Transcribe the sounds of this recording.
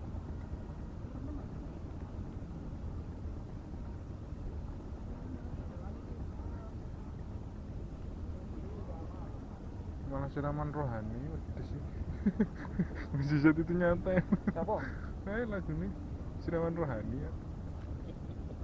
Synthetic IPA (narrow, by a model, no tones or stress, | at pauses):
malasiɾamanroɦaniwad̪̥ə̤sɪ | wesisat̪it̪uɲat̪an | ajlaɡ̥ṳne | siɾamanroɦaniat̪